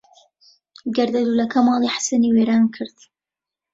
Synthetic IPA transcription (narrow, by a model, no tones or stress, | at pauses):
ɡɐɾd̪ɐd̪uːlɐkʰɐmɑːlˠiħḁsɐniːweːɾaːnkʰɨɾd̪̥